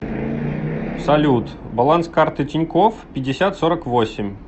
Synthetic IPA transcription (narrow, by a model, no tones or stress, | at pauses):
sɐlʲut̪bɐlˠanskart̪ɨtʲɪnʲkofpʲɪdʲːɪsʲat̪soɾəkvosʲɪmʲ